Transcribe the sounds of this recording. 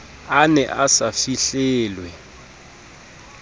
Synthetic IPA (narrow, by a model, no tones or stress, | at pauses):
anɛʔasafiɬɛːlwɛ